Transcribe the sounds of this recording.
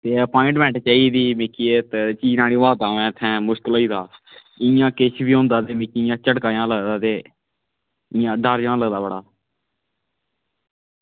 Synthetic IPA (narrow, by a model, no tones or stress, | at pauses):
t̪eːəpoːɪ̃ɳɖmɛ̃ːɳʈt͡ʃaːiːd̪iːmɪkiːeːt̪et͡ʃiːnaːliːʋaːt̪ãːʋɛ̃ːt̪ʰɛ̃ːmʊʃkələiːd̪aː | ɪjãːkeʃʰbiːɦõːnd̪aːt̪eːmɪkiːjãːt͡ʃəɽkaːjãːləɡd̪aːt̪eː | ɪjãːɖaːɾd͡ʒãːləɡd̪aːbəɽaː